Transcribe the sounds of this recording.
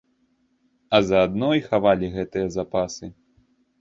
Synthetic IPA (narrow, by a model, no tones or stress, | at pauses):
ɐzɐːd̪nɔjxavalʲiɣɛt̪ɨjɐzapasɨ